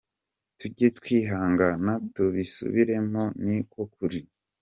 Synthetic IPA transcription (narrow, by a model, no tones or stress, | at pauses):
tuɟetkwiːɦaːŋɡanatuβisṵβiɾe̞mo̞nikwo̞k̚uɾi